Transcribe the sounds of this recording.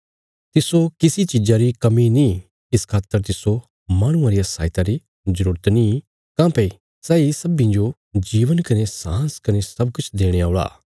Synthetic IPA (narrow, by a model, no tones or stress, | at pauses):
t̪ɪsokɪsit͡ʃɪd͡ʒaɾikɐminĩ | ɪskʰaːt̪ːəɾt̪ɪso | maːɽ̃ʊ̃ãɾijasa̰ːɪt̪aɾi | zəɾuːɾət̪nĩ | kãːpe | sɛːisɐbĩd͡ʒo | d͡ʒiːʋənkɐnesãːskɐnesɐb̚kʊt͡ʃʰd̪eːɽ̃eaːʊɭa̰ː